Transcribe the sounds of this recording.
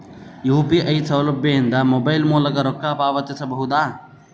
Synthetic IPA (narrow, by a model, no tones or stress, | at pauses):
juːpiʔɐjsɐwlɐbjɐjind̪ɐmobɐjlmuːlɐkɐɾɔkːaːpaːʋɐt̪isɐbɐɦud̪aː